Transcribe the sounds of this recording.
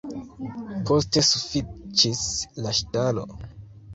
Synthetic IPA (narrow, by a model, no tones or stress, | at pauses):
pʰoste̞sufit͡ʃislaʃtalo̰